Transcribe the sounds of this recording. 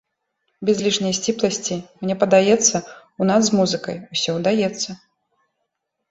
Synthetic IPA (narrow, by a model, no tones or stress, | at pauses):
bʲɛzʲlʲiʂnʲɐjsʲt͡sʲiplˠɐsʲt͡sʲimnʲɛpɐd̪ajɛt̪sːɐ | unaszmuzɨkɐ̰jusʲɔwd̪ajɛt̪sːɐ